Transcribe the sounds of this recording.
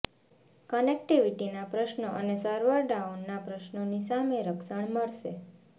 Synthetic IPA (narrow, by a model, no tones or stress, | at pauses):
kənek̚ʈiʋiʈinapɾəʃnəʔənesəɾʋəɾɖaunːapɾəʃnonisameɾəkʃəɳməɭʃe